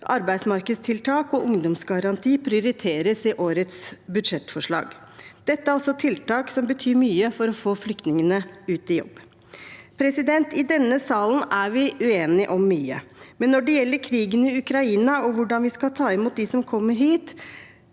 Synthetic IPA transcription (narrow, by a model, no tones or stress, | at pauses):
ʔɑɾbæɪd̪smɑɾkəd̪st̪ʰɪlt̪ʰɑːkɔʔʊŋd̪ɔmsɡɑɾɑnt̪ʰiːpʰɾɪʊɾɪt̪ʰeːɾəsɪʔoːɾət̪sbʉd̪ʂɛt̪ːfɔʂɭɑ̰ːɡ | d̪̥ɛt̪ːəæɾɔsːɔt̪ʰɪlt̪ɑːksɔmbət̪ʰyːɾmyːəfɔɾɔfoːflʏk̚t̪nɪŋənəʉːt̪ɪjɔ̰bː | pʰɾɛsɪd̪ɛnt̪ɪd̪ɛnːəsɑːln̩æɾʋɪʉeːnɪʔɔmːyːə̰mɛnːɔɖɛjɛlːəɾkʰɾiːɡənɪʉkɾɑiːnɑɔʋʊɖɑnʋɪskɑlt̪ʰɑːɪmuːt̪̚d̪ɪsɔmkʰɔmːəɾhiːt̪